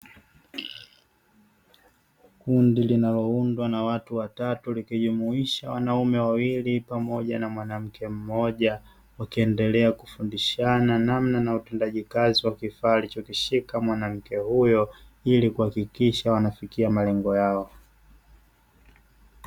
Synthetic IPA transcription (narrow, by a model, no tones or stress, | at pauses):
kundilinalɔundwanawatuwatatulikiʄumuiʃawanaumɛwawilipamɔʄanamwanam̩kʰɛm̩mɔʄa | wakiɛndɛlɛakufundiʃananamnanautɛndaʄikaziwakifaːlit͡ʃɔkiʃikamwanam̩kɛhujɔ | ilikuhakikiʃawanafikiamalɛŋɡɔjaɔ